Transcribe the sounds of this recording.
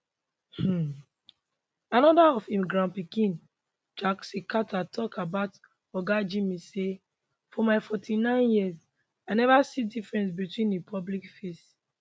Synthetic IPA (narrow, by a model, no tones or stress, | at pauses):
h̩ | anɔdaɔfhĩmɡɹãmpikĩn | d͡ʒaksikʰatʰatʰɔkabaʊt | ɔɡad͡ʒimise | fɔmaɪfɔtʰinãɪ̃njiəz | anɛvasidifɹɛ̃ns̬bitwĩnipʰɔblikfist